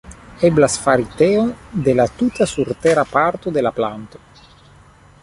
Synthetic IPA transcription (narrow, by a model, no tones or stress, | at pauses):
eblasfaɾit̪eond̪elat̪ut̪asuɾt̪eɾapaɾt̪od̪elaplant̪o̥